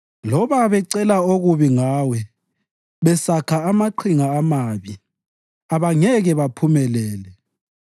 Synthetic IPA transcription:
lɔβaβɛǀɛlaoɣuβiŋaːwɛ | βɛsakʰaːmaǃʰiŋaːmaβi | aβaŋɛɣɛβapʰumɛlɛːlɛ

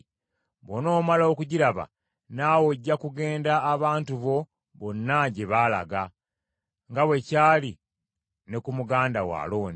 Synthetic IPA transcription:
βono̞ːmalokuɟiɾaβa̰ | naːwoɟːakuɡe̞ːndaːβaːntuβo̞ | βonːaɟe̞βaːla̰ɡa | ŋɡaβwe̞caːli | ne̞kumuɡaːndawa̰ːlo̞ːni

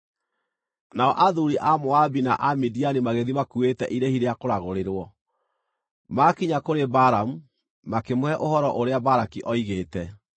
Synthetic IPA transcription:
naɔʔaðuɾiʔamoabinaʔamidianimaɣeðimakuetɛʔiɾehiɾeakoɾaɣoɾeɾwɔ | makiɲakoɾebaɾamu | makemwɛʔohɔɾɔʔoɾeabaɾakiʔɔiɣeːtɛ

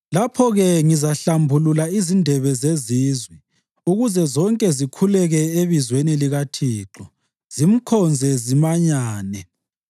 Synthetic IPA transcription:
lapʰɔɣɛŋizaɬambʱululaizindʱɛβɛzeziːzwi | uɣuzɛzɔŋkʼɛzikʰulɛɣɛeβizweniliɣatʰiːǁɔ | z̥im̩kʰɔnd͡zʱɛzimaɲaːnɛ

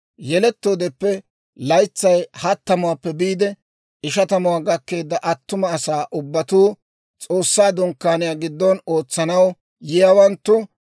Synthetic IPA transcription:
jɛlɛt̪ːo̞ːd̪ɛpːɛ | lɐjt͡sːɐjhɐt̪ːɐmʊwapːɛbiːd̪ɛ | ɪʃɐt̪ɐmʊwaːɡɐkːe̞ːd̪ːɐʔɐt̪ːʊmɐːsaːʔʊbːɐt̪uː | t͡sʼo̞ːsːaːd̪ʊŋkːaːnɪjaːɡɪd̪ːɔno̞ːt͡sːɐnɐw | jɪjawɐnt̪ːʊ

